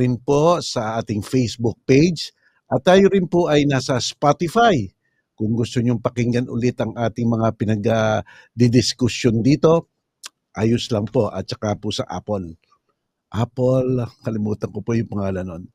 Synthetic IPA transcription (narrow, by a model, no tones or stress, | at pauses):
ɪnpo̞sɐʔaːt̪ɪŋfɛjsbʊk̚pejd͡ʒ | ʔɐt̪ːaːjoɾɪnpoʔɐjnaːsɐspat̪ɪfaj | kʊŋɡʊst̪oɲoŋpɐkɪŋɡɐnʔʊ̰lɪt̪ɐŋʔaːt̪ɪŋmɐŋapɪnɐɡa | d̪ɪd̪ɪskʊsjond̪iːt̪o̞ | ʔaːjoslɐŋpo̞ʔɐt̪̚t͡ʃɐkapʊsɐ̰ʔa̰ːpol | ʔapolkɐlɪmuːt̪ɐnkopojʊŋpɐŋaːlɐnon